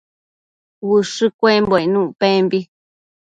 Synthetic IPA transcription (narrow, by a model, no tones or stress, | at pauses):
wɨʂɨkʷembonũʔpẽmbi